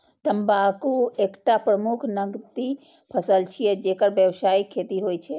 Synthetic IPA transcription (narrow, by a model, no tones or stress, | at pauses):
t̪əmbakuekʈapɾəmukʰnəɡt̪i | pʰəsəlt͡ʃʰijed͡ʒekəɾbjəʋsaːikʰːeːt̪iɦoːjt͡ʃʰe